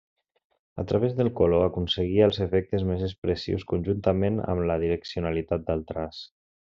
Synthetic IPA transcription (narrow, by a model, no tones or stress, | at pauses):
ə̰t̪ɾʔaβ̞ezðəlˠkoloakunsəɣ̞iəəlˠzəfɛk̚t̪əzmezəspɾəsḭwskunʲʒunt̪əmenə̰mləðiɾəksiunalit̪at̪̚d̪əlˠt̪ɾas